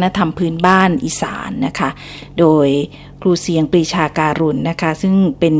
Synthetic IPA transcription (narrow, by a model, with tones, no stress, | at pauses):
na˦˧˥t̪ʰa˧mpʰɯː˦˥nbaː˥˩nʔiː˧sa̰ː˩˦nːa˦˥kʰa˦˥ | doː˧j | kʰluː˧si˨˩˦əŋpɾiː˧t͡ɕʰaː˧kaː˧ɾu˧nːa˦˥kʰa˦˥sɯ˥˩ŋpe˧n